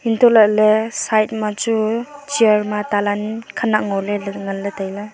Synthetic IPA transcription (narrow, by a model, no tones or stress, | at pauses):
intʰɔlalesajt̚mat͡ʃut͡ʃiaɾmatalankʰanakŋɔlelŋaletajla